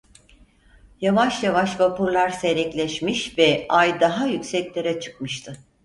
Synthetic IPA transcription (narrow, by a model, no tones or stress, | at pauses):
javaʃjavaʃvapuɾlˠaɾse̞ɾɛclʲɛʃmiʃvɛajd̪aɦajycʲsɛclʲe̞ɾɛt͡ʃʰɯ̥kmɯʃt̪ʰɯ